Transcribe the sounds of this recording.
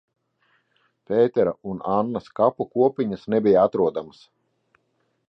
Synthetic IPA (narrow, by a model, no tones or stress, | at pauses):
pʲeːt̪ɛɾaunanːaskapukuɔpʲiɲasnɛbʲijaat̪ɾuɔd̪amas